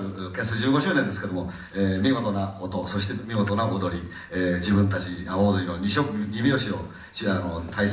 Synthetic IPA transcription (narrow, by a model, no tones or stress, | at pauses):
ɾɯkesɨd͡ʑɨːɡo̞ɕɨːnend̪eske̞d̪o̞mo | emʲiɡo̞t̪o̞naot̪o̞so̞ɕi̥t̪e̞mʲiɡo̞t̪onaʔod̪o̞ɾʲi | eːd͡ʑibɯ̟̃nt̪at͡ɕiaod̪o̞ɾʲinoɲiɕokɲʲimʲio̞ɕio̞ | ɕanot̪ʰais